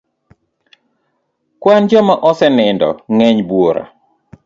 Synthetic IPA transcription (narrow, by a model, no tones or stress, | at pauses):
kwand͡ʒɔmaʔɔsɛnɪndɔ̰ŋɛɲbwoɾa̰